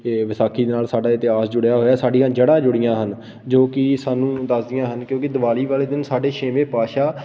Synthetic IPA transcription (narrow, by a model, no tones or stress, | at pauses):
ʋɪsaːkʰiːd̪eːnaːlsaːɖaːɪt̪ɪɦaːsd͡ʒʊɽjaːɦoːjaːsaːɖiãːd͡ʒəɽãːd͡ʒʊɽɪjãːɦən | d͡ʒoːkɪsaːnũːd̪əsd̪ɪjãːɦənkjõːkɪd̪əʋaːliːʋaːleːd̪ɪnsaːɖeːʃeːmeːpaːʃaː